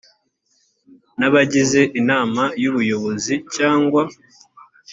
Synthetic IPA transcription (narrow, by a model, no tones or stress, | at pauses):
naβaɟize̞ʔinaːmajuβujo̞βo̞zicaːŋɡwa